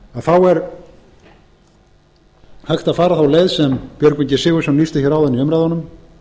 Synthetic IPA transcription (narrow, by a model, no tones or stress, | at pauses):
aðθawɛɾ | hajxt̪aðfaːɾaθawleːjðsɛmpjœɾkmɛɲcɪsɪːɣʏsanliːst̪ɪçɛɾawðɛniœmɾajðɔnʏm